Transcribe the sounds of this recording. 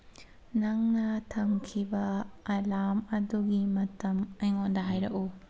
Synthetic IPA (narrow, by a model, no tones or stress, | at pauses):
nɐŋnɐtʰɐmkʰibɐːlamɐduɡimɐtɐmɐjŋondɐɦajɾɐʔu